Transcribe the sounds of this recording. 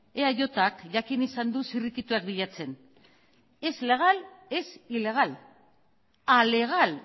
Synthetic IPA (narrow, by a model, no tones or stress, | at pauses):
eaʝo̞t̪akʝakinisand̪usirik̪it̪uak̚biʎat͡se̞n | e̞zle̞ɣ̞ale̞sile̞ɣ̞al | ale̞ɣ̞al